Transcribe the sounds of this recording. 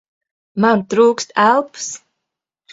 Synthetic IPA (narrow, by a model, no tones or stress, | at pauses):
mant̪ɾuːkst̪ælˠps